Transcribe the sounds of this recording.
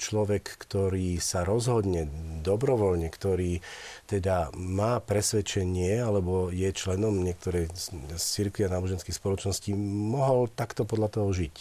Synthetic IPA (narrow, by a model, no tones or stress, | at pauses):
t͡ʃlɔʋɛkːt̪ɔɾiːsaɾɔzɦɔd̪ɲɛd̪ɔbɾɔʋɔʎɲɛkt̪ɔɾiːt̪ɛd̪amaːpɾɛsʋɛt͡ʃɛɲɪɛalɛbɔjɛt͡ʃlɛnɔmɲɪɛk̚t̪ɔɾɛjt͡siɾkʋianaːbɔʒɛnskixspɔlɔt͡ʃnɔsciːmɔɦɔlt̪akt̪ɔpɔd̪ʎat̪ɔɦɔʒic